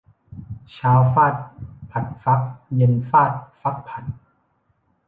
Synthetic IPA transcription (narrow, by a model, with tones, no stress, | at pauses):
t͡ɕʰaː˦˥wfaː˥˩t̪̚pʰa˨˩t̪̚fa˦˥k̚je˧nfaː˥˩t̪̚fa˦˥k̚pʰa˨˩t̪̚